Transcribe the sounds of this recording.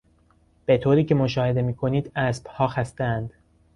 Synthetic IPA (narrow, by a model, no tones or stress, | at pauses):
b̥e̞t̪ʰoːɾiːcʰe̞moʃɒːhe̞d̪e̞miːkʰo̞niːd̪æsb̥hɒːxæst̪æænd̪̥